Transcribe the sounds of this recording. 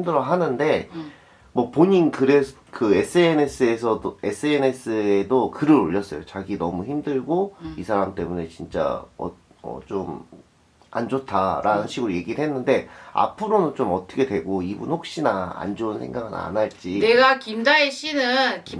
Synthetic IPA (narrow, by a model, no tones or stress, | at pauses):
mdɯɾʌɦanɯnde̞ | mwʌpoɲinkɯɾes | kɯes͈ʰɯenes͈ʰɯe̞sʰʌe̞s͈ʰɯenes͈ʰɯedokɯɾɯɾoʎːʌs͈ʌjot͡ɕaɡinʌmuçimdɯɭɡoisʰaɾamt͈e̞mune̞t͡ɕint͡ɕ͈a̰ʌ̰ | ʌ̰t͡ɕom | a̰nd͡ʑotʰaɾanɯnɕʰiɡɯɾoje̞ɡiɯɭɦenːɯnde̞a̰pʰɯɾonɯnt͡ɕomʌt͈ʌkʰe̞dwe̞ɡoibunɸok̚ɕ͈inaa̰nd͡ʑounsʰe̞̰ŋɡaɡɯna̰naɭt͡ɕ͈ineɡakimdaeɕ͈ʰinɯnki